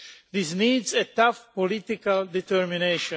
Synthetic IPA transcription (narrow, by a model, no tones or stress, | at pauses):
ðisniːdzetafpɔlɪt̪ɪkaldit̪əɹmineʃɔ̃